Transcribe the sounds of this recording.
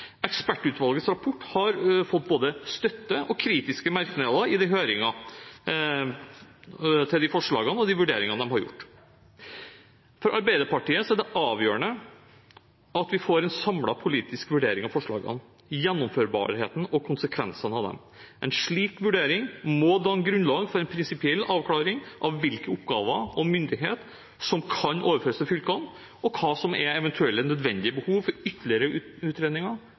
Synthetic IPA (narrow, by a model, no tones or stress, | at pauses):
ɛkspæʈːʉːt̪ʋɑlɡət̪sɾɑpʰɔʈːhɑɾfɔt̪ːboːd̪əst̪œt̪ːəʔɔkʰɾiːt̪ɪskəmæɾknelɑɪd̪ɪɦøːɾɪŋɑ | t̪ʰɪld̪ɪfɔʂɭɑ̰ːɡənəɔd̪ɪʋʉɖeːɾɪŋɑd̪ɛmɦɑɾjʊ̰ʈː | fɔɾʔɑɾbæɪd̪əpɑʈiːəsɔæɖɛʔɑːʋjøːɾəɳə | ɑt̪ʋɪfoːɾɛnsɑmlɑpʰʊliːt̪ɪskʋʉɖeːɾɪŋɑʋfɔʂɭɑ̰ːɡə̰n | jɛnːɔmføːɾbɑ̰ːɾheːt̪n̩ɔkʰʊnsəkʰʋɛ̰nsənɑʋd̪ɛ̰m | ʔɛ̰nʂɭiːkʋʉɖeːɾɪŋmɔd̪ɑːŋɡɾʉnlɑːɡfɔɾɛnpʰɾɪnsɪpɪɛlːɑːʋkʰlɑːɾɪŋʔɑʋʋɪlkəʊpɡɑːʋəɔmʏnd̪ɪɦḛːt̪ | sɔmkʰɑnʔo̰ːʋəɾføːɾəsɛfʏlkɑn | ɔkʰɑːsɔmɛɛʋɛnt̪ʰʉɛlːənœd̪ʋɛnd̪ɪəbəhuːʋfɔɾʏt̪ʰəlɪəɾəʉʉːt̪ɾeːd̪nɪŋɑɾ